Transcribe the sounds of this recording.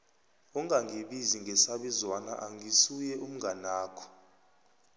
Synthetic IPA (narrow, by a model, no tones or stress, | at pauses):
uŋaŋʱiɓiziŋʱɛsaɓizwana̰ʔaŋisujɛʔum̩ŋɡanaːkʰɔ̥